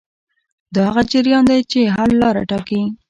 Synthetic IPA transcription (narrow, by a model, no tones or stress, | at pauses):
d̪ɑhaɣad͡ʒɪɾjɑnd̪ajt͡ʃeɦaɾlɑɾa̰ʈɑki